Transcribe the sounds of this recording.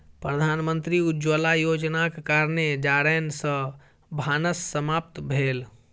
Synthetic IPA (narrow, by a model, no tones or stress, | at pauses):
pɾəd̪ʱanmənt̪ɾiud͡ʒəlajod͡ʒnakekaɾned͡ʒaɾɛnsə̃ | bʱanəsːəmap̚t̪bʱeːl